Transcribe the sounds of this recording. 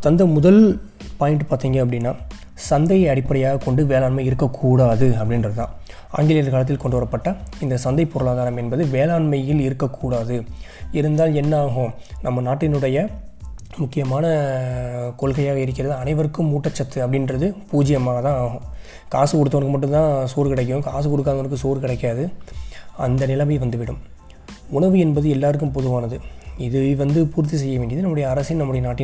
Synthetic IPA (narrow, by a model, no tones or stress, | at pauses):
t̪ɐnd̪ɐmʊðɐl | paːjɪɳʈɯpaːɾt̪iːŋɡɐːp̬ːɐɽɪnːaː | sɐnd̪ɐɪɐɽɪpːɐɽɐjaːɣɐkɔɳɖɯʋeːlaːɳmɐɪɪɾɯkːɐkʰːuːɽaːðɯɐpːɐɽɪnɾɐðɯt̪ã̰ː | a̰ːŋɡɪlɪjɐɾɐkɐːlɐt̪̬ːɪlkɔɳɖɯʋɐɾɐpːɐʈːɐɪnd̪ɐsɐnd̪ɐɪpːɔɾɯlaːðaːɾɐmɛnbɐðɯʋeːlaːnmɐjɪlɪɾɯkːɐkːuːɽaːðɯɪɾɯnd̪aːlɛnːɐaːɣõnɐmːɐnaːʈːɪnɯɽɐjɐ | mʊkːɪjɐmaːnɐ | kɔɭɣɐjaːɣɐɪɾɯk̬ːɪɾɐðɯɐnɐɪʋɐɾɯkːɯmːuːʈːɐt͡ʃːɐt̪ːɯɐpːɐɽɪnrɐðɯpuːd͡ʒɪjɐmaːɣɐt̪ãːaːɣõ | kaːsɯkɔɽɯt̪ːɐʋɐnɐkːɯmɐʈ̬ːɯ̃nt̪ãːsoːɾkɪɽɐɛk̬ːɯjɯ̃kaːs̬ɯkɔɽɯt̪̬ːaːɐnɯkːɯsoːɾkɪɽɐkːaːðɯ | ɐ̰nd̪ɐnɪlɐmɐʋɐnd̪ɯʋɪɽɯm | ʊɳɐʋɯɛnbɐðɯɛlːaːɾɯk̬ːɯmpɔðɯʋaːnɐðɯɪðɯʋɐnd̪ɯpuːɾt̪̬ːis̬ɛjːɐʋeːɳɖɪɐðɯnɐmːɯɽɐjɐːɾɐsɪnnɐmːɯɽɐjɐnaːʈːɪ